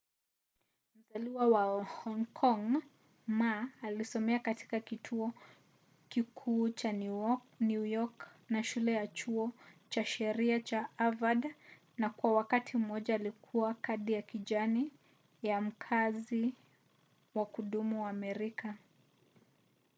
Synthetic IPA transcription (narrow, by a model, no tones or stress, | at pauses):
m̩zaliwawahɔŋkʰɔŋ | maːlisɔmɛakati̥kakitʰuɔ | kikʰuːt͡ʃa | njujɔknaʃulɛjat͡ʃuɔt͡ʃaʃɛɾiat͡ʃaavad | nakwawakatʰim̩ɔʄaːlikʰuwakaɗijakiʄani | jam̩kʰazi | wakuɗumuwaːmɛɾika